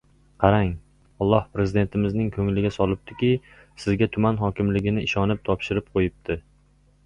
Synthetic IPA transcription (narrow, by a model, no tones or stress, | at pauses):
qʰɑɾaŋ | ɒlˠːɒhpɾe̞zɪd̪e̞nt̪ʰɪmɪznɪŋkʰɵŋlɪɡʲasɒlˠɪp̚t̪ʰɪkʲɪ | sɪzɡʲat̪ʰʊmanɦɒkʲɪmlɪɡʲɪnɪɪʃɒnɪp̚t̪ʰɒpʃɪɾɪp̚qʰojɪp̚t̪ʰɪ